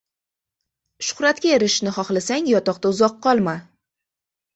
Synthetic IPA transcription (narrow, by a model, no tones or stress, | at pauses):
ʃʊ̥χɾat̪kʲaeɾɪʃnɪχɒχlasaŋʲjɒt̪ɒqt̪aʊzɒqːɒlˠma